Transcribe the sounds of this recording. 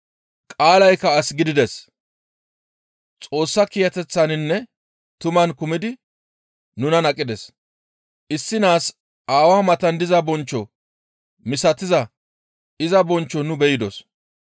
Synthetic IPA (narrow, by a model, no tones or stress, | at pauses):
kʼaːlɐjkːɐɐsɡɪd̪ɪd̪ɛs | t͡sʼo̞ːsːɐkijɐt̪ɛt͡sːɐnɪnːɛ | t̪ʊmɐnkʊmɪd̪ɪ | nʊnɐnɐkʼːɪd̪ɛs | ʔɪsːɪnaːs | ʔaːwaːmɐt̪ɐnd̪ɪzɐbɔnt͡ʃːɔ | mɪsɐt̪ɪzɐ | ɪzɐbɔnt͡ʃːɔnʊbɛjɪd̪ɔs